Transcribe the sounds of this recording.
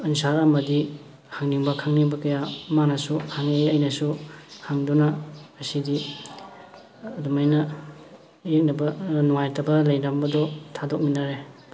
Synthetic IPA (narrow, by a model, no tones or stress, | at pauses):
ɐnsaɾɐmɐdi | haŋniŋbɐkʰaŋniŋbɐkɐjamanɐsuhaŋeɐjnɐsuhaŋdunɐɐsidi | dumajnɐ | jek̚nɐbɐnuŋajtɐbɐlɐjndambɐdɔtʰadok̚minaɾe